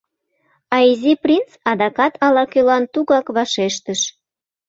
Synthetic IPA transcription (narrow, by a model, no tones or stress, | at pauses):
ɑiziprʲint͡sɑd̪ɑkɑt̪ʰɑlɑkølɑnt̪uɣɑkβɑʃeʃt̪əʃ